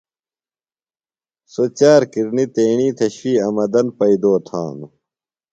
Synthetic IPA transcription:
sot͡ɕaːɾkiɾnit̪eːɳiːt̪ʰɐɕfiːɐmɐd̪ɐnpɐid̪oːt̪ʰã̰ːnu

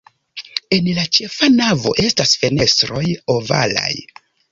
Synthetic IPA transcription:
e̞nlat͡ʃe̞fanavo̞̰ʔe̞stasfe̞ne̞stɾo̞jova̰la̰j

